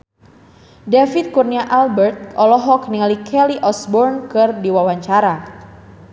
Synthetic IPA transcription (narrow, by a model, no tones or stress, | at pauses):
dafit̪̚kurniaʔalbərt̪̚ɔlɔɦɔkniŋalikʰɛliʔɔsbɔrnkɨrdiwawaɲt͡ʃaɾa